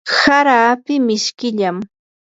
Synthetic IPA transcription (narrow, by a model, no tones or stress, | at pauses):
saɾaːpɪmɪʃkɪʎam